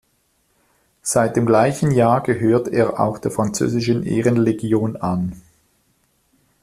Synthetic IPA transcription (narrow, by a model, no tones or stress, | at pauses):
z̥aɪt̚d̥eːmɡlaɪçən̩jaːɡəɦøːɐtʰeːɐʔa̰ʊxd̥eːɐfʁ̥ant͡sø̰ːzɪʃənʔḛːʁənleɡjoːnan